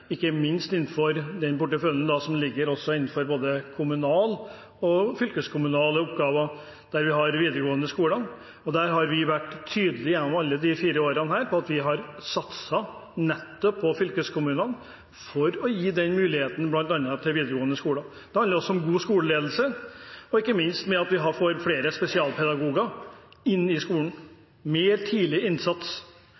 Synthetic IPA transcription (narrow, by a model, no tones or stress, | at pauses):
ɪkːəmɪnst̪ɪn̩ːfɔɾd̪ɛnpʊʈːəfœlənd̪ɑsɔmlɪɡːəɾɔsːɔɪnːn̩fɔɾboːd̪əkʰʊmʉnɑːl | ɔfʏlkəskʰʊmʉnɑːləʊpɡɑːʋɑ | d̪̥æɾʋɪɦɑɾʋiːd̪əɾəɡoːənəskuːlən | ɔd̪æɾɦɑɾʋɪʋæʈ̪ːʰyːd̪əlɪjɛnɔmɑlːəd̪ɪfiːɾəoːɾənɦæːɾpʰɔɑt̪ʋɪɦɑɾsɑt̪sɑnɛt̪ːɔpʰːɔfʏlkəskʰʊmʉːnən | fɔɾɔjiːd̪ɛnmʉːlɪheːt̪n̩blɑnt̪ɑnːət̪ʰɪlʋiːd̪ɾəɡoːənəskuːlɑ | d̪̥ɛhɑnəɾɔsːɔɔmɡuːskuːləleːd̪lsəɔɪkːəmɪnst̪mɛɑt̪ʋɪɦɑɾfoːɾfɽeːɾəspɛsɪɑːlpʰɛd̪ɑɡuːɡɑɪnːɪskuːləɳ̩ | meːɾt̪ʰiːlɪɪnsɑt̪s